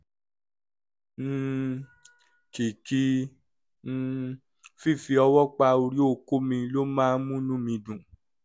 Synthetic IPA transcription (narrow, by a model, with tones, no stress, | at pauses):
t͡ʃi˨ki˦ | fi˦˨fi˧ɔ˧wɔ˦k͡pa˧o˧ɾi˦o˦˧˨ko˦mĩ˧lo˦mãː˦mũ˦nũ˦mĩ˧dũ˨